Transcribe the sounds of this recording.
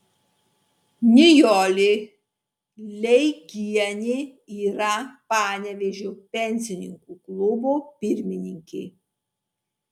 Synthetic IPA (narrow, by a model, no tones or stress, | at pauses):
nʲɪjɔːlʲɪ | lʲɛɪɡʲiɛnʲɪ | iːɾɐpɑːnʲɛʋʲeʒʲopʲɛnʲsʲɪnʲɪ̰ŋkuklˠʊbopʲɪɾʲmʲɪnʲɪŋʲkʲḛː